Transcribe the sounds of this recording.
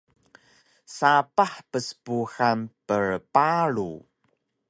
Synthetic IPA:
sapaħpəsə̥puxanpəɹpaɭṵ

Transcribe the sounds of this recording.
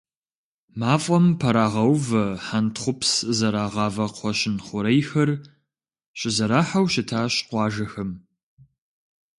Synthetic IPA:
maːfʼɔmpʰɐɾaːʁɐwvɐħantχʷʊpszɐɾaːʁɑːvɐqʷʰɔɕɪnχʷʊɾejxɐr | ɕʼɪzɐɾaːħawʃɪtʰaːɕqʷɑːʒɐxɐm

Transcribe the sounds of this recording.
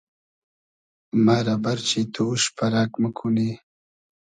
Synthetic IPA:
maɾabaɾt͡ʃit̪uʃpaɾakməkʰuni

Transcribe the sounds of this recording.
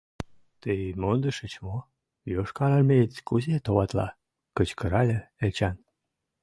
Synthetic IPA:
t̪əjmond̪əʃət͡ɕmo | joʃkɑlɑlmet͡sʲkuzet̪oβɑt̪lɑ̰ | kət͡ɕkəɾɑlʲeelt͡ɕɑn

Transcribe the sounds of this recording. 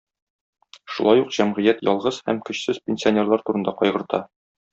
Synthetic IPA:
ʃulˠɑjuqʑ̥æmʁɘ̆jæt̪jɒ̰lˠʁɤz̥hæ̰mkɵ̆ɕsɘzpʲenʲsʲionʲerlˠɑɾt̪uɾɤ̆nd̪ɑqɒjʁɤ̆ɾt̪ɑ

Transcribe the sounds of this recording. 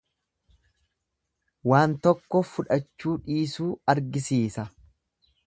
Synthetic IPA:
waːnt̪ɔkːɔfʊᶑɐt͡ʃːuːᶑiːsuːɐɾɡɪsiːsɐ

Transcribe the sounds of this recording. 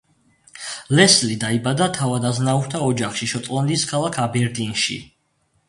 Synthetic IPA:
lɛslid̪aibad̪at̪ʰavad̪aznauɾt̪ʰaɔd͡ʒaχʃiʃɔt̪sʼlˠɔnliskʰalˠakʰabɛɾd̪inʃḭ

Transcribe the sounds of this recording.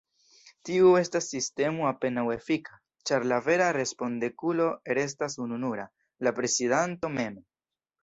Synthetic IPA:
tiue̞stasːiste̞muape̞nawe̞fikʰa | t͡ʃaɾlave̞ɾaɾe̞spo̞ndekulo̞eɾe̞s̬tasununuɾa | lapɾe̞sidanto̞me̞mo

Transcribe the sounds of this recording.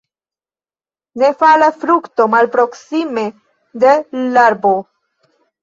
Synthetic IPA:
nefalafɾukt̪o̞malpɾo̞ksime | d̪elaɾbo

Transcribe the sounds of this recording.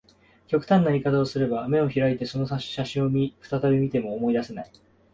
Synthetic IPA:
kʲo̞kɯ̟t̪ãnːaɾʲikat̪ao̞sɨɾe̞bame̞o̞çiɾait̪e̞so̞no̞ɕaɕĩɰ̃omʲiɸɯ̥t̪at̪abʲimʲit̪e̞mo̞ːmo̞id̪ase̞nai

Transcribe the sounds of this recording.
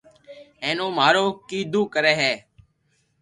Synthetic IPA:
ẽːnõːmaːɾoːkiːd̪uːkəɾeːɦɛː

